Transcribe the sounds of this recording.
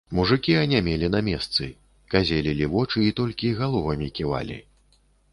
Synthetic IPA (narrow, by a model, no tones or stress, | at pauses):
muʐɨkʲianʲɛmʲɛlʲinamʲɛst̪sɨ̰ | kazʲelʲilʲivɔt͡ʂɨit̪ɔlʲkʲiɣalˠɔvɐmʲikʲiva̰lʲḭ